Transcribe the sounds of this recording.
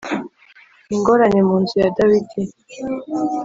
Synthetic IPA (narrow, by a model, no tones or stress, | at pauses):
iŋɡo̞ɾaɲemuːnzujadawidi